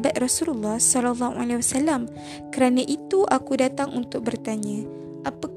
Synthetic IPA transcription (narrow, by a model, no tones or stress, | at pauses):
bat̪̚rɔsululːɑhsɔlalːɑhualewasalam | kəɾanaʔit̪uʔakudat̪aŋunt̪ʊk̚bərt̪aɲã | ʔapa